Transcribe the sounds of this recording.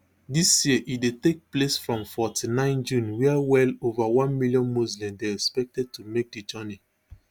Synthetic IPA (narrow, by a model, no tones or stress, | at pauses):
disjiʔidetek̚plesfɹɔ̃mfɔtinãɪ̃nd͡ʒũnwɛawɛlovawɔ̃nmiljɔ̃nmuzlɛ̃m̚deɛkspɛk̚tɛd̚tumek̚did͡ʒɔni